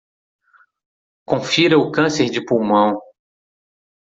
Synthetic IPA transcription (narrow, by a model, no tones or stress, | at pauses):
kõfiɾɐʊkɐ̃seɾd͡ʒɪpuwmɐ̃w̃